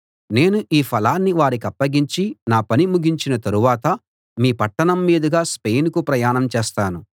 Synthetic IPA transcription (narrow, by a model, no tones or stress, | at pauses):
ne̞ːnuʔiːpʰɐlaːnːiʋaːɾik̬ɐpːɐɡiɲt͡ʃinaːpɐnimuɡʱiɲt͡ʃinɐt̪ɐɾuʋaːt̪ɐ | miːpɐʈːɐɳɐmːiːd̪ɐɡaːspejnkupɾɐjaːɳɐmt͡ʃɛːst̪aːnu